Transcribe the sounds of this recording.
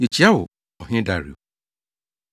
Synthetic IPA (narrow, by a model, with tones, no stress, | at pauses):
i˨t͡ɕʰi˨˦a˦wʊ˨ | ɔ˨ɦɪ̃˦da˦ɾḭ˨o˨